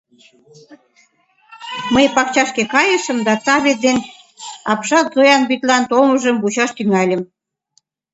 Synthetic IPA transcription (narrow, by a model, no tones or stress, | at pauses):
məjpɑk̚t͡ɕɑʃkekɑjəʃə̆md̪ɑt̪ɑβed̪en | ɑpʃɑt̪zojɑnbyt̪lɑnt̪oməʒəmbut͡ɕɑʃt̪yŋɑlʲəm